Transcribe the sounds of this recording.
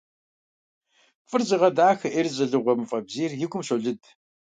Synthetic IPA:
fʼɨrzɪʁɐdaːxɨʔerzʼɐɮɨʁʷɔmfʼɐbziːrjɪɡʷʊmɕoɮɨd

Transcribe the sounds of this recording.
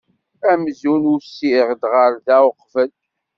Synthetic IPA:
æmzunusiʁd̪ʁəɾðæwəqːfəl

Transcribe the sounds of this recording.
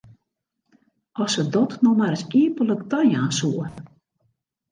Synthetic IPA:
ʔɔsədɔtnɔmaɾəsiəpələkdɔjaːsuən

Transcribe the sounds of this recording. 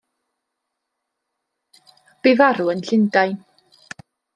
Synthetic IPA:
b̥ɪvaɾuənɬɪndajn

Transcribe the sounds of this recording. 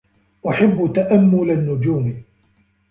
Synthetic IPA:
ʔaħabːt̪aʔamːʊlanːʊd͡ʒuːm

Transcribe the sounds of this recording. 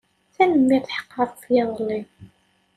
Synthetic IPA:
θænəmːiθħə̥qːɑɾˤfjɑðˤəlːi

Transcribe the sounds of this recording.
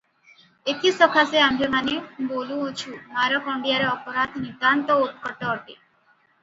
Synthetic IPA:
et̪ʰisɔkʰaseamemaneboluɦot͡ʃʰumaɾɔkɔɳɖijaɾeɔpɔɾad̪ʱnid̪ant̪ɔot̪̚kɔʈɔʈe

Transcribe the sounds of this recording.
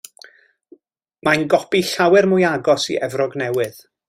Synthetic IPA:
manɡɔpiɬawɨrmʊjaɡɔsḭʔɛvrɔɡnɛwɨð̥

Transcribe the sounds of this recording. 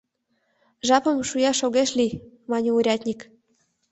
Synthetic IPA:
ʒɑpə̆mʃujɑʃoɣeʃli | mɑnʲeuɾʲɑt̪ʲnʲik

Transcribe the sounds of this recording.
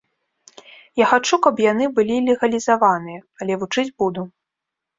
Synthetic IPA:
jaxat͡ʂukɐpjan̪ɨbɨlʲilʲɛɣɐlʲizavanɨjɐɐlʲɛvut͡ʂɨd͡zʲbud̪u

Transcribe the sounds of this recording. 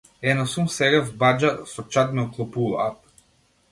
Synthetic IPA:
ɛnasumsɛɡavbad͡ʒasɔt͡ʃat̪̚mɛɔklˠɔpulˠap

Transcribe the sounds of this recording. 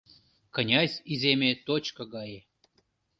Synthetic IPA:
kənʲɑsʲizʲemʲet̪ot͡ɕkəɡɑje

